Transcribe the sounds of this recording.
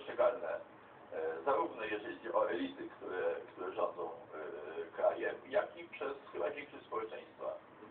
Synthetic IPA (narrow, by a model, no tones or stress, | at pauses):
ʂt͡ʂɛɡalnɛ | zaɾuvnɛjɛʐɛid͡ʑiʔɔɛlʲisɘkt̪uɾɛkt̪uɾɛʐɔnd̪zɔ̃w̃ | kɾajɛjakʲipʂɛsxɘbavʲɛŋpʂɛɕspɔwɛt͡ʂɛj̃st̪fa̰